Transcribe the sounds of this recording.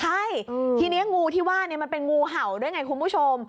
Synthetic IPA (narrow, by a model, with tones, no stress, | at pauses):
t͡ɕʰa˥˩jt̪ʰiː˧ni˦˥ɐŋuː˧t̪ʰiː˥˩waː˥˩ni˥˩ɐma˧npe˧nŋuː˧ɦa˨˩˦wdu˥˩jŋa˧jkʰu˧npʰuː˥˩t͡ɕʰo˧m